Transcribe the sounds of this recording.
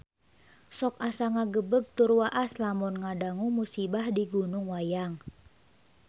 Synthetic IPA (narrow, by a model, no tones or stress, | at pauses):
sɔk̚asaŋaɡəbəɡ̚t̪urwaʔaslamɔnŋadaŋumusibahdiɡunʊŋwajaŋ